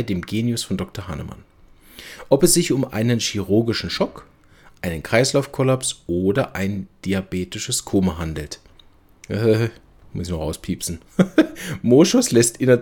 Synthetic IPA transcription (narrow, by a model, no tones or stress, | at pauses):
ɪdeːmɡeːnjʊsfɔndɔk̚tɐhanə̰ma̰n | ʔɔpɛsz̥ɪçʊmʔa̰ɪnənʃiʁʊɐɡɪʃn̩ʃɔk | ʔaɪnənkʁ̥aɪslaʊfkʰɔlapsʔoːdɐʔaɪnd̥iabeːtɪʃəskʰoːmaɦandl̩tː | h | mɪsnɔʁaʊspʰiːpsn̩ | moːʃʊslɛstʔɪnɐ